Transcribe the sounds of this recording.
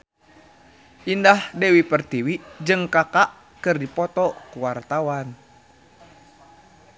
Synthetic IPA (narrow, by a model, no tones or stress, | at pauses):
ʔindahdɛwipərt̪iwid͡ʒɨŋkakaʔ | kɨrdipɔt̪ɔkuwart̪awan